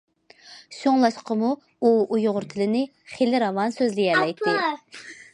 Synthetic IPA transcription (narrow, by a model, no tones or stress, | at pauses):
soŋlˠɑʃqəmu | uujʊʁʊɾt̪ʰɪlɪnɪ | χelɪɾɑvɑnsøzlɪjɛlɛjt̪ːɪ